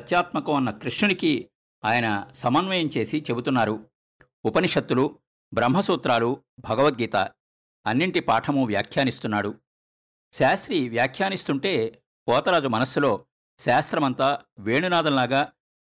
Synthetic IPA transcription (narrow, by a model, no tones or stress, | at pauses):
ɐt̪jaːt̪mɐkɐmɐnːɐkɾiʂɳuniki | aːjɐnɐsɐmɐnʋɐjɐmt͡ʃe̞ːsit͡ʃe̞but̪unːaːɾu | upɐniʂɐt̪ːulu | bɾɐmɦɐsuːt̪ɾaːlubʱɐɡɐʋɐt̪̚ɡiːt̪a̰ | ɐnːiɳʈipaːʈʰɐmuʋja̰ːkʰjaːnist̪unːaːɽu | ʃaːst̪ɾiʋjaːkʰjaːnist̪uɳʈe̞ː | pɔːt̪ɐɾaːd͡ʒumɐnɐsːulo̞ː | ʃaːst̪ɾɐmɐnt̪aːʋeːɳunaːd̪ɐnlaːɡaː